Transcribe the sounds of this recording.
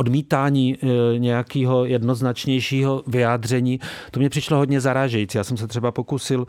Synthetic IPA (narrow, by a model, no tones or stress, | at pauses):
ʔodmiːt̪aːɲiːɲɛjakiːɦo̞jɛdno̞znat͡ʃɲɛjʃiːɦo̞vɪjaːd̪r̝ɛɲiːt̪omɲɛpr̥ɪʃloɦodɲɛzaɾaːʒɛjit͡sijaːsɛmsɛt̪r̥ɛbapokusɪl